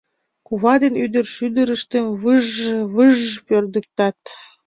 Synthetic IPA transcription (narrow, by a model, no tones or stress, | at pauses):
kuβɑd̪enyd̪ərʃyd̪əɾəʃt̪emβəʒβəʒpørd̪ə̆k̚t̪ɑt̪